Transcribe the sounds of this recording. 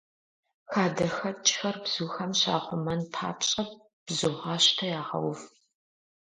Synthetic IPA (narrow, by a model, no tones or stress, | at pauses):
xaːdɐxɐt͡ʃʼxɐrbz̥uːxɐmɕa̰ːχʷʊmɐnpʰa̰ːpt͡ʃʼɐp̚ | b̥zuʁɑːɕtʰɐjaːʁɐ̰wʊf